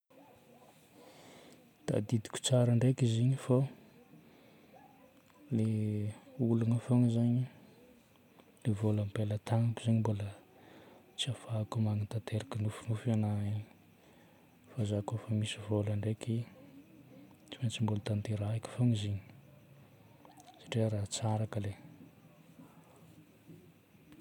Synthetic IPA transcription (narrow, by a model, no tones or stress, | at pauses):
d̪̥a̰d̪id̪i̥kʲu̥t͡saɾaɳɖ͡ʐekiziɲifa | le | ulunafoŋizaɲi | levolampelət̪aŋapuz̥aɲimbulə | t͡siafakumaŋit̪at̪ʰeɾakinufinufanai | fazakofəmisivolaɳɖ͡ʐeki | t͡simat͡simbulət̪ant̪eɾaakʲi̥foŋiziɲi̥ | sḁʈ͡ʂiaɾat͡saɾakəle